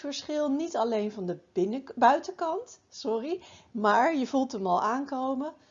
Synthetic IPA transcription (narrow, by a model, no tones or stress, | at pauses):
fəɹsχɪlˠnitɑlejnvɑndəɪnəbœɥtəkɑntsɔrimaːɹjəvulˠtəmɑlˠaːŋkowmə